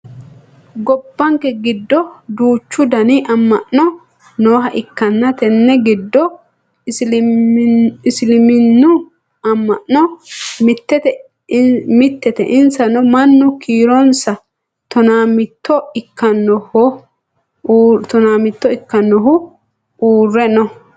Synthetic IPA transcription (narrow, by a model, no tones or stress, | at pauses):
ɡɔbːɐŋkɛɡɪd̪ːɔd̪uːt͡ʃːʊd̪ɐniʔɐmːɐʔnɔ | noːɦɐʔɪkːɐnːɐt̪ɛnːɛɡɪd̪ːɔ | ɪslɪmɪnːʊ | ɐmːɐʔnɔmɪt̪ːɛt̪ɛ | mɪt̪ːɛt̪ɛ̰ʔɪnsɐnɔmɐnːʊkiːɾɔnsɐ | t̪ɔnaːmɪt̪ːɔɪkːɐnːɔhɔ | t̪ɔnaːmɪt̪ːɔɪkːɐnːɔɦʊ | uːrːɛnɔ